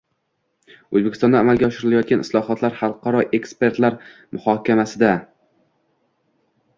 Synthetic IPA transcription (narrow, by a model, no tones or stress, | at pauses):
ɵ̰zbekʲʰɪst̪ɒnd̪aːmalˠɡʲaɒʃɪɾɪlajɒt̪̚ɡʲanʔɪslˠɒhɒt̪ʰlaɾhɑlˠqʰɑɾɒʔe̞kspe̞ɾt̪laɾmʊhɒkʲamasɪd̪a